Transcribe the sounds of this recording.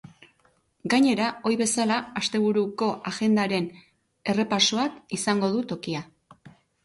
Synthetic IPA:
ɡaɲe̞ɾao̞jβe̞salaːst̪e̞β̞uɾuko̞ʔaɣe̞nd̪aɾe̞n | e̞re̞pasoakisaŋɡo̞ð̞ut̪o̞kia

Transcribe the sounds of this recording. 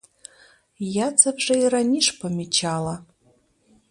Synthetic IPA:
jat͡sʰabʐairaniʂpʰamit͡ʃʰala

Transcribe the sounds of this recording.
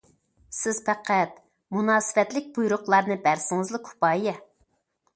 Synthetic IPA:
sɪz̥pæqæt̪̚ | munɑːsɨ̥fɛt̪lɪk̚ʲbujɾʊqlˠɑɾnɨbæɾsɪŋɨzlˠɨkʰu̥pɑːjɛ

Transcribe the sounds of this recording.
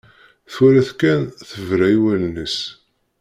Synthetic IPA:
θwælæθkænθəvɾæjiwælnəs

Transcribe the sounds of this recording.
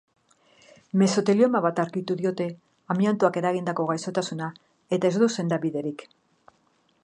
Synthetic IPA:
me̞so̞t̪e̞lio̞maβat̪aɾkit̪uðio̞t̪e̞ | amjant̪uake̞ɾaɣind̪ako̞ɣ̞ajso̞t̪asuna | e̞t̪ae̞zðd̪uwse̞nd̪aβiðe̞ɾik

